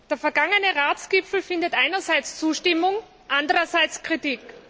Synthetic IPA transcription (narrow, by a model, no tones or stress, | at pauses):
d̥eːɐfɛɐɡaŋənəʁaːt͡sɡ̥ɪpfl̩fɪndətʔaɪnɐzaɪt͡st͡suːʃtɪmʊŋ | ʔandəʁɐzaɪt͡skʁ̥itiːk